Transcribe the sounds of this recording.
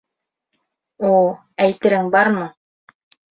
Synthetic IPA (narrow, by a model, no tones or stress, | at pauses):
ulˠ | æjt̪ɘ̆ɾɘŋbɑɾmɤ